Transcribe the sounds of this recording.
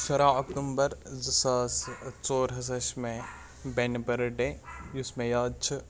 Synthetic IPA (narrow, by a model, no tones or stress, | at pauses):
ʃɐɾaːɐkt̪umbɐɾzɨsaːst͡soːɾɦɐs̬ɐʃmẽ | benbɐɾɖejusmẽjaːd̪̚t͡ʃʰi